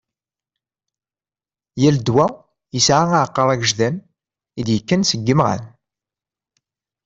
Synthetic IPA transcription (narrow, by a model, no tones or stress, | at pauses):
jæld̪wæ | jəsʕaaʕqːəɾˤæɡəʒðæn | id̪jəkːənsəɡːəmʁæ̰n